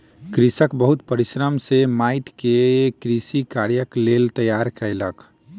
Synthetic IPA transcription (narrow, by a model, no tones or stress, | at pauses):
kɾisəkbəɦut̪pəɾisɾəmsemaɪʈkekɾisikaɾjəklelt̪əjaɾkələk